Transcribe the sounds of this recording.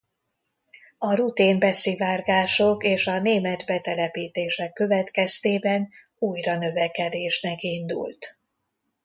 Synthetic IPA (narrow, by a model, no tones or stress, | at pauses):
ɒrut̪iːmbɛsivaːrɡaːʃokeːʃɒneːmɛd̪bɛt̪ɛlɛpiːt̪eːʃɛkːø̞vɛt̪kɛst̪eːbɛn | uːjrɒnø̞vɛkɛd̪eːʃnɛkind̪ṵlt̪